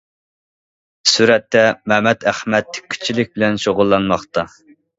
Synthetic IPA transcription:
suɾɛt̪ːɛmɛmɛt̪æχmɛt̪ʰːɪ̥y̥t͡ʃʰːilɪk̚ʲbɪlɛnʃoʁʊlˠːɑnmɑχt̪ɑ

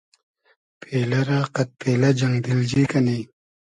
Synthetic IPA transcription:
pʰeːlɐɾaːqɐt̪̚peːlɐd͡ʒɐŋɡd̪ild͡ʑikɐni

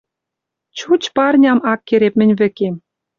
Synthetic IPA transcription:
t͡ɕut͡ɕpɑrnʲɑmɑkːeɾep̚mɘ̆nʲβɘ̆kem

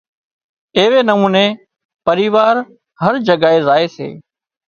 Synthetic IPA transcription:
eːʋeːnəmũːneː | pəɾiːʋaːɾ | ɦəɾd͡ʒəɡaːɦeːzaːeːsḛː

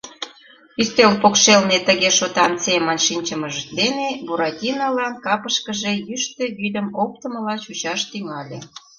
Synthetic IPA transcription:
yst̪ølpokʃelnet̪əɣeʃot̪ɑnsemənʃinʲt͡ɕəməʒəd̪enebuɾɑtʲinɑlɑnkɑpəʃkəʒejyʃt̪ø̆jylʲə̆mop̚t̪əməlɑt͡ɕut͡ɕɑʃt̪yŋɑlʲḛ

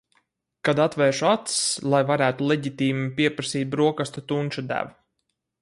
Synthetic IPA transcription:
kad̪at̪vɛːʃuat̪slˠajvaɾæːt̪ulˠɛɟit̪iːmipiɛpɾasiːt̪̚bɾuɔkast̪ut̪unt͡ʃud̪æ̰vu

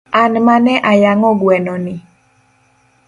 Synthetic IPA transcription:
anmanɛʔajaŋɔɡwɛnɔnɪ

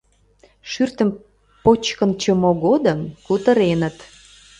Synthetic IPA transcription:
ʃyrt̪əm | pot͡ɕkənt͡ɕəmoɣod̪əmkut̪əɾenət̪

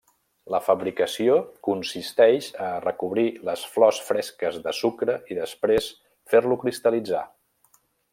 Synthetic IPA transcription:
ləfəβɾikəsiokunsist̪ɛʃərəkuβɾiləsflɔsfɾɛskəzðəsukɾəʔiðəspɾes | feɾlukɾist̪əlid͡za̰

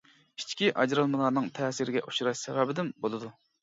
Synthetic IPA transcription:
it͡ʃkʲiʔɑd͡ʒɾɑlˠmɨlˠɑɾnɨŋt̪ʰɛːsiɾɪɡʲɛ̰ʔuʃuɾɑʃsɛvɑːbɪd̪ɪmbolˠɨd̪u

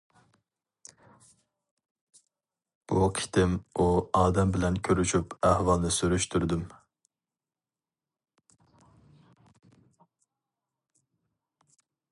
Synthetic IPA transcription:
b̥ukʰi̥t̪ʰɪmuɑːd̪ɛmbɪlɛnkʲʰøɾyʃypʰæhwɑlˠnɨsyɾyʃt̪ʰyɾd̪ym

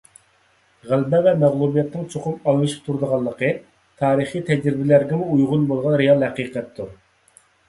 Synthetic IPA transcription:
ʁælbɛvɛmæʁlˠubijɛt̪nɨŋt͡ʃʰoqʊpɑlˠmɨʃi̥p̚t̪ʰuɾd̪əʁɑlˠːəqə | t̪ʰɑːɾəχit̪ʰɛd͡ʒɾɪbɪlæɾɡʲɛmuujʁʊnbolˠʁɑnɾejɑlˠhɛqiːqɛt̪ʰːuɾ

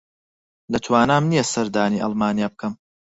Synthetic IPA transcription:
lɐt̪ʰwaːnaːmnijɐsɐɾd̪aːniːʔɑ̰lˠmaːnijaːb̚kʰɐm

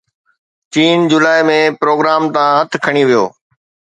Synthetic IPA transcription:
t͡ɕiːnd͡ʑʊlaːɪmẽpɾoːɡɾaːmt̪aãɦɐt̪ʰkʰɐɽ̃iʋijo̰ː

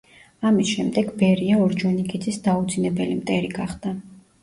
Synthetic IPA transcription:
amisʃɛmd̪ɛɡbɛɾiaɔɾd͡ʒɔnikʼid̪zisd̪aud̪zinɛbɛlimt̪ʼɛɾiɡaχd̪a

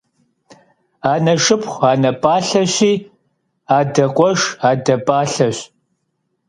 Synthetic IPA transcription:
aːnɐʂɨpʰχʷaːnɐpʼaːɬɐɕiː | aːdɐqʷʼɔʂaːdɐpʼaːɬɐɕ

